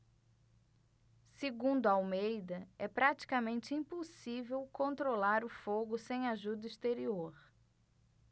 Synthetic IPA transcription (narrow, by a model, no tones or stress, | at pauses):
sɪɡũnd̪ʊawmejd̪ɐɛpɾat͡ʃi̥kɐmẽnt͡ʃɪĩposivewkõnt̪ɾolaɾʊfoɡʊsẽj̃aʒud̪ɐist̪eɾioɾ